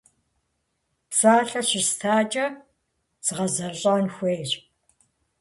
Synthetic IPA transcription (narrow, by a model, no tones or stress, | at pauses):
psaːɬɐɕɪstʰaːt͡ʃʼɐ | z̥ɨʁɐzɐɕʼanxʷeːjɕ